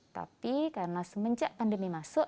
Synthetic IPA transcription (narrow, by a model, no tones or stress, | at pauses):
t̪a̰pikarənasəməɲt͡ʃaʔpandəmimasʊʔ